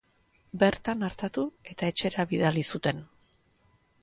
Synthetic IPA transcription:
be̞ɾt̪anaɾt̪at̪ue̞t̪ae̞t͡ʃe̞ɾaβiðalisut̪e̞n

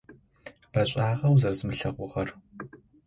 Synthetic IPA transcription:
b̥ɐɕʼaːʁɐwzɐrzɨmɨɬɐʁʷʊʁɐr

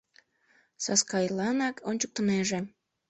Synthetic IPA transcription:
sɑskɑjlɑnɑkʰonʲt͡ɕuk̚t̪ə̆neʒĕ

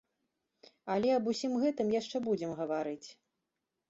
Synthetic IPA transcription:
ɐlʲɛɐbusʲimɣɛt̪ɨmjaʂt͡ʂɛbud͡zʲɛmɣɐvaɾɨt͡sʲ

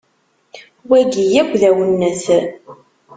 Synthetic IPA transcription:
wæɡijækʷːðæwənːəθ

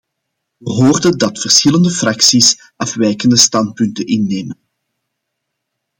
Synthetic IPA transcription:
ʋəɦoːrdədɑtfərsxɪləndəfrɑksis | ʔɑfʋɛjkəndəstɑnt̚pʏntənʔɪnːeːmən

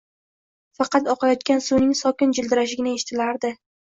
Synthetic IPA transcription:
fɑqɑt̪ɒqɑjɒt̪̚kʲansunɪŋsɒkʲɪnd͡ʒɪld̪ɪɾaʃɪɡʲɪnɪe̞ʃɪ̥t̪ʰɪlaɾd̪ɪ

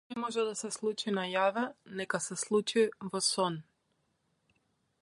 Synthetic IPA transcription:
nɛmɔʒɛd̪asɛslˠut͡ʃinajavɛnɛkasɛslˠut͡ʃivɔsɔn

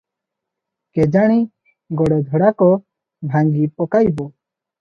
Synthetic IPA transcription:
kɛd͡ʒaɽ̃i | ɡɔɽɛd̪ʱəɽakɔ | bʱãŋɡipɔkajbɔ

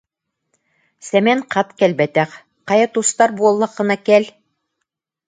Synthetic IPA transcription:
sæmæɴqʰɑt̪kælbæt̪æq | qɑjɑt̪ust̪ɑɾbuɑ̆lˠːɤqːɤ̆nɑkæl

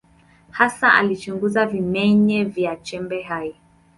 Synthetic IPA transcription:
hasaʔa̰lit͡ʃuŋɡuzavimɛɲɛvjat͡ʃɛmbɛɦai

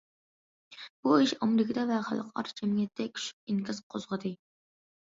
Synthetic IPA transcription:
b̥uiʃɑmɪɾɪkʲʰɪd̪ɑvɛχæ̰lˠːəqʰɑ̰ɾd͡ʒɛmjʲɛt̪ʰːɛkʲʰʃy̥p̚ɪŋkɨzqʰozʁəd̪ɨ

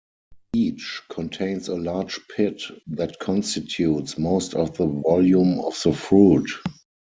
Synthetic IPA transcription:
iːt͡ʃkʰɔ̃ntʰẽɪ̃nsəlaːd͡ʒpʰɪtðætkʰɔ̃nstɪtʰjutsmoʊstɔfðəvɔljũmɔfðəfɹuːt

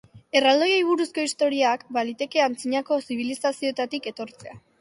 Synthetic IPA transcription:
e̞rald̪o̞jejβ̞uɾusko̞ist̪o̞ɾiakbalit̪e̞ke̞ant͡siɲako̞siβ̞ilisasio̞et̪at̪ike̞t̪o̞ɾt͡se̞a

